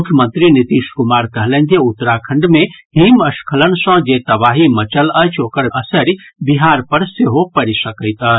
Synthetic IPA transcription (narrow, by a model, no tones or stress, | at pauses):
mukʰjəmə̃nt̪ɾinit̪iskumaɾkəɦlɛ̃nk̪eut̪ːɾakʰə̃ɳɖmeɦiməskʰələnsə̃d͡ʒet̪əbaɦimət͡ʃələjt͡ʃʰokəɾəsəɾibiɦaɾpəɾseɦopəɾisəkəɪt̪ə